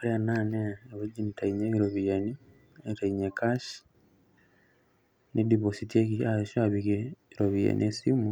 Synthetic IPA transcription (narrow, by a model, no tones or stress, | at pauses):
oɾeananeeβed͡ʒinitaiɲeβiɾoβijani | etaiɲekaʃ | nʔediβositiekiaʃaβikeiɾoβija̰niesimu